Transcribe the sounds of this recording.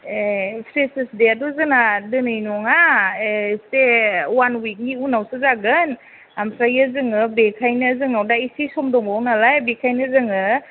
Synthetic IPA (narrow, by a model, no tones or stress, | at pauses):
epʰɾesesdeaduzɯnadɯnɯjnɔŋa | sewanwik̚niunawsɯzaɡɯn | ampʰɾajazɯŋɯbekʰajnɯzɯŋawdaisisɔmdɔŋbawnalajbekʰajnɯzɯŋɯ